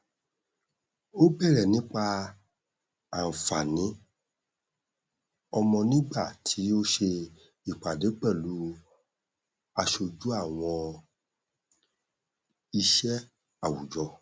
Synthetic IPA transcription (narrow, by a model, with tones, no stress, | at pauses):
o˦bɛ˦˨ɾɛ˨nĩ˦k͡pa˧ | a˨n̩˨fa˨nĩ˨˦ | ɔ˧mɔ̃˧nĩ˦ɡ͡ba˦˨tʰi˨˦o˦ʃe˧ | i˦˨k͡pa˨de˨˦k͡pɛ˦˨lu˨˦ | a˧ʃo˧d͡ʒu˦a˦˨w̃ɔ̃˧ | i˧ʃɛ˦ | a˨wu˨d͡ʒɔ˧